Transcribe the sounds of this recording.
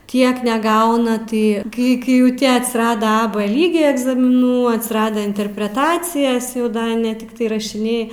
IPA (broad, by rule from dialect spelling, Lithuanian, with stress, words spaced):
ˈtʲiɛk nʲɛˈɡɐʊnɐ ˈtɐɪ ˈkɐɪ kɐɪ ˈjɛʊ ˈtʲiɛ ɐtʲsʲɪˈrɑːdɐ ɐ p ˈlʲiːɡʲeː ɛɡzɐmʲɪˈnuː ɐtʲsʲɪˈrɑːdʲæː ɪnʲtʲɛrʲpʲrʲɛˈtɑːt͡sʲɪjɛs jɛʊ ˈdɐ nʲɛ tʲɪkˈtɐɪ rɐʃʲɪˈnʲɛɪ